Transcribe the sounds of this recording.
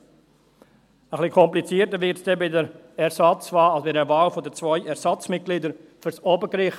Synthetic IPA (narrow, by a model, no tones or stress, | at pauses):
əχlikʰɔmplit͡siːəɾtəɾvɪɾtsd̥ɛbɪdəɾ | ɛɾsɑt͡svɑːlasbidɛɾvaːlfɔdət͡svɔʏʔɛɾsɑt͡smɪt̚ɡ̥lidəɾfyɾsoːbəɡɾɪχ